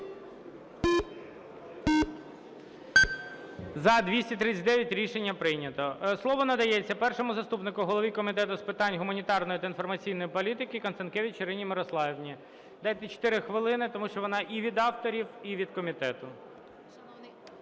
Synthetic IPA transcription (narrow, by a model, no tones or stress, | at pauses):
zɐd̪ʋʲisʲtʲit̪ɾɪt͡sʲːɐt̪d̪ɛʋjɐtʲɾʲiʃenʲːɐpɾɪjnʲɐt̪ɔslˠɔʋɔnɐd̪ɐjɛt͡sʲːɐpɛrʃɔmʊzɐst̪upnɪkʊɦɔlˠɔʋʲikɔmʲit̪ɛt̪ʊspɪt̪ɑnʲɦʊmɐnʲit̪ɑrnɔjit̪ɐinfɔrmɐt͡sʲijnɔjipɔlʲit̪ɪkɪkɐnsɐnkeʋʲɪt͡ʃiɾɪnʲimɪɾɔslˠɑjiʋnʲi | d̪ɑjt̪ɛt͡ʃɔ̥t̪ɪɾɪxʋɪlˠɪnɪt̪ɔmuʃt͡ʃɔʋɔnɑʔiʋʲid̪ɑwt̪ɔɾʲiwiʋʲid̪kɔmʲit̪ɛt̪ʊ